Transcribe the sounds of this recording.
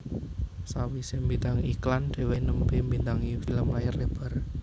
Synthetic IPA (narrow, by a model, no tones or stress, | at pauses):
sawisembint̪aŋikland̪̥e̤wenəmpembint̪aŋifiləmlajərleb̥a̤r